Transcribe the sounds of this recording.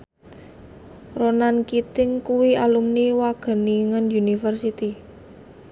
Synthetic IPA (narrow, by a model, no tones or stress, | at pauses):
ronankit̪ɪŋkuwialumniwaɡ̥ə̤niŋənjunifərsit̪i